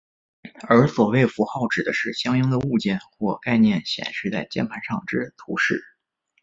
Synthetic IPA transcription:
ə˞˧˥swɔ˨˩we˥˩ɪfu˧˥xɑ˥˩ʊʈ͡ʂɻ̩˨˩d̪ə˦ʂɻ̩˥˩ɕjɑ˥ŋjɤ˥ŋd̪ə˧u˥˧t͡ɕjɛ˥˩˧nxwɔ˥˧ka˥˧ɪnjɛ˥˩nɕjɛ̰˨˩nʂɻ̩˥˧t͡sa̰˥˩ɪt͡ɕjɛ̰˥˩npʰa˧˥nʂɑ˥˩ŋʈ͡ʂɻ̩˥t̪ʰu˧˥ʂɻ̩˥˩

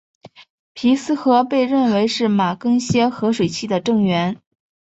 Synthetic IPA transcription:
pʰi˧˥sɹ̩˥xɤ˧˥pe˥˧ɪɻə˥˩nwe˧˥ɪʂɻ̩˥˩ma˨˩kɤ˥ŋɕjɛ˥xɤ˧˥ʂwe˨˩ɪt͡ɕʰi˥˩d̪ə˩ʈ͡ʂɤ˥˩ŋɥɛ˧˥n

